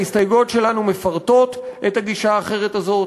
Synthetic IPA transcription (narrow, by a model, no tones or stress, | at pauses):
istajɡo̞tʃe̞lanume̞faʁto̞tʔethaɡiʃaːχe̞ʁ̞e̞tazo̞t